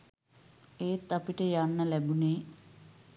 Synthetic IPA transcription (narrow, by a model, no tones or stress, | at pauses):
eːt̪ːapiʈəjanːəlæbuneː